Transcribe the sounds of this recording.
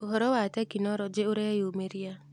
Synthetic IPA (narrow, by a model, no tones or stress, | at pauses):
oɦɔɾɔwatɛkinɔɾɔd͡ʒeoɾɛjomeɾia